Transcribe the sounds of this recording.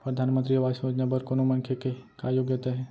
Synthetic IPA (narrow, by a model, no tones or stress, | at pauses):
pɾəd̪ʱanmənt̪ɾiɐʋasɐ̃məd͡ʒnabəɾkonomənkʰekekajoɡjət̪aɦɛ